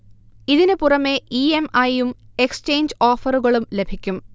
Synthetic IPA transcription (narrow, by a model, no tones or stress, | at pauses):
iðinɨpurɐme̞iemɐjumekst͡ɕejɲd͡ʑoːfɐruɣɐɭumle̞bʱikʲːum